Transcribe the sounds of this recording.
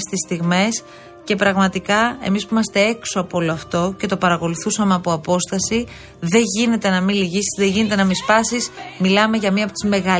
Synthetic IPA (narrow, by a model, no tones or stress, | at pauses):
st̪ist̪iɣme̞s | ce̞pɾɐɣmɐt̪ikɐe̞̰mispuimɐst̪e̞e̞ksoɐpoolo̞ɐft̪o̞ce̞t̪o̞pɐɾɐko̞luθusɐmeɐpoɐpo̞st̪ɐsi | ðe̞ʝine̞t̪e̞nɐmiliʝisi̥zðe̞ʝine̞t̪e̞nɐmispɐsismilɐme̞ʝɐmiɐpot̪i̥zme̞ɣɐ